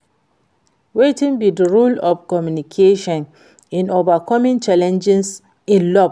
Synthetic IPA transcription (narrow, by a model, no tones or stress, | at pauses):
wetĩŋbidəɹulɔfkɔmjunikʰeʃɔ̃n | ĩnovakʰɔmĩŋt͡ʃalɛ̃nd͡ʒɛs | ĩnlɔb